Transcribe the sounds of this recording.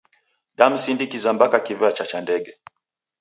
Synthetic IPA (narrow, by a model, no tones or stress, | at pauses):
ɗam̩sindikizambakakivɛat͡ʃat͡ʃandɛɡɛ